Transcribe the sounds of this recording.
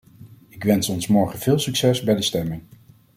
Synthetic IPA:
ɪkʋɛnsɔnsmɔɹχənv̥ɪːlˠsyksɛsbɛjdəstɛmɪŋ

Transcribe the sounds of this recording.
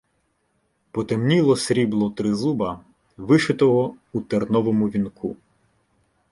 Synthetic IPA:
pɔt̪emnʲilˠɔsɾʲiblˠɔt̪ɾɪzubɐ | ʋɪʃɪt̪ɔɦɔut̪ernɔʋɔmʊʋʲinkʰu

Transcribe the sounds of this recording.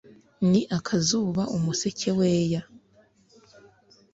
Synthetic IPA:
niʔakʰazuβaʔumuse̞cʰe̞weːja

